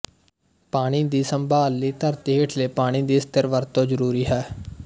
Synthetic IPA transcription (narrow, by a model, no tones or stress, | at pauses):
paːɽ̃iːd̪iːsəmbaːlːiːt̪əɾt̪iːɦeʈʰleːpaːɽ̃iːd̪iːst̪əɾʋəɾt̪õːzəɾuːɾiːɦɛː